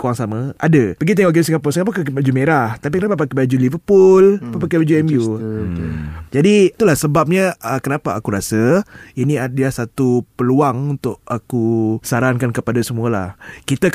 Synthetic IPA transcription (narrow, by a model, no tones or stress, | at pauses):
kuaŋsaməadəpəɡit̪̬ɛŋɔʔkɡesiŋɡapɔsiŋapakkbad͡ʒumeɾaht̪ap̬ikənapapakibad͡ʒulivəpʊlpapakebad͡ʒuɛmju | d͡ʒadit̪ulahsəbap̚ɲaəkənapaakuɾasəiniadəlahsat̪upəluaŋunt̪ʊʔakusaɾankankəpadasəmuala̰hkit̪a